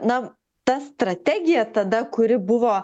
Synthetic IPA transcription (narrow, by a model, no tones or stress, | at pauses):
nɐ | t̪ɐst̪ɾɐt̪ʲæɡʲɪjɛt̪ɐd̪ɐkʊɾʲɪbʊʋoː